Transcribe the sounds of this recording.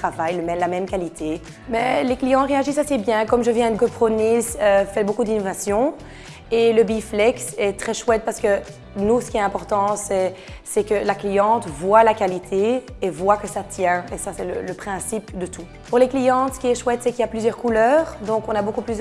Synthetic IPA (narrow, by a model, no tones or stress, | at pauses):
χavajləmɛnlamɛmkalit̪ʰe | mɛleklijɑ̃ʁeaʒisasebjɛ̃kɔmʒəvjɛ̃d̪ɡɔpχonisøfɛbokud̪inovasjɔ̃ | eləbiflɛksɛt̪χɛʃwɛt̪̚paʁsə̥kə | nusə̥kiɛt̪ɛ̃pɔʁt̪ɑ̃sɛsɛkəlaklijɑ̃t̪vwalakalit̪ʰeːvwakəsat̪jɛ̃esasɛlə̰ləpχɛ̃sipd̪ət̪u | puʁleklijɑ̃sə̥kʲiɛʃwɛt̪sɛkiljaplyzjœʁkulœːʁd̪ɔ̃kɔ̃nabokuplys